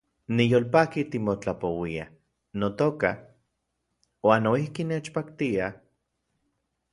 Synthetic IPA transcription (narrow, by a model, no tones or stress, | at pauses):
nijoːlpaːkit̪imot͡ɬapowia | not̪oka | waːnːoihkinet͡ʃpakt̪ia